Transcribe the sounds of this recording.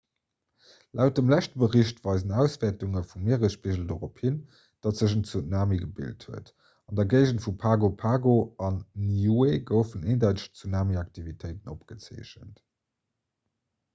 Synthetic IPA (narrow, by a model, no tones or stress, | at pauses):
lʔæʊt̚dəmlæʃtəbəʁiɕtvɑɪzənæʊsv̥ɛːɐtuŋəfumiːʁəʃpiʒl̩doʁopʰhin | d̥ɑtz̥əʃ̬ənt͡sunaːmiɡəbḭlthuət | ɑndɐɡəɪʒəntfupʰaːɡopʰaːɡoɑnːijueɡəʊfəneːndæʊtəʃt͡sunaːmiɑk̚tʰivitʰəɪtənopɡ̥ət͡sḛːɕə̰nt